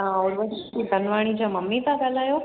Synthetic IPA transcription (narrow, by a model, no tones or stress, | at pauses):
ãuɽʋəʈ | ib̪ʱənʋaɽ̃it͡ɕaməmːit̪aɡalajo